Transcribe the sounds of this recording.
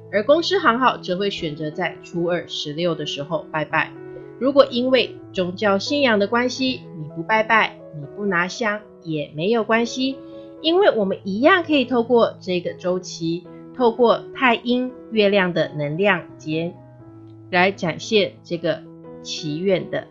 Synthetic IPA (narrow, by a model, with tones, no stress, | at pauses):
ə˞˧˥kʊ˥ŋs̩˥xɑ˧˥ŋxɑ˨˩ʊʈ͡ʂɤ˨˥xwe˥˩ɪɕɥɛ˨˩nt͡sɤ˧˥t͡sa˥˩ɪʈ͡ʂʰu˧˥ə˞˨˩ʂɻ̩˧˥ljo˥˩ʊd̪ə˩ʂɻ̩˧˥˦xo˥˧ʊpa˥˧ɪpa˥˩ɪ | ɻu˧˥kwɔ˨˩ʔi˦˥nwe˥˩ɪ | t͡sʊ˥ŋt͡ɕjɑ˥˧ʊɕi˥˧˩njɑ˧˥ŋd̪ə˨kwa˥nɕi˧˥ni˨˩pu˨˧˥pa˥˧ɪpa˥˩ɪ | ni˨˩pu˥˩na˧˥ɕjɑ˥˩ŋ | jɛ˨˩me˧˥ɪjo˨˩ʊkwa˥nɕi˧ | i˥nwe˥˩ɪwɔ˨˩mə˦ni˧˥jɑ˥˩ŋkʰɤ˧˥i˨˩t̪ʰo˥˧ʊkwɔ˥˧ʈ͡ʂɤ˥˧ɡə˩ʈ͡ʂo˥ʊt͡ɕʰi˧˥ | t̪ʰo˥˧ʊkwɔ˥˧t̪ʰa˥˩ɪʔi˥n | ɥɛ˥˧ljɑ˥˩ŋd̪ə˩nə˧˥ŋljɑ˥˩ŋt͡ɕjɛ˧˥n | la˧˥ɪʈ͡ʂa˨˩nɕjɛ˥˧ʈ͡ʂɤ˥˩ɡə˩ | t͡ɕʰi˧˥ɥɛ˥˩nd̪ə̰˩